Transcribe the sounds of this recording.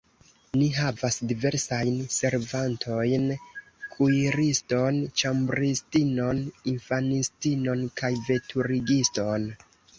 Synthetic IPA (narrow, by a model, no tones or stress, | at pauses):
niɦavasdive̞ɾsajnse̞ɾvantʰo̞jn | kʰuiɾisto̞nt͡ʃambɾistino̞ninfanistino̞nkajve̞tʰuɾiɡisto̞n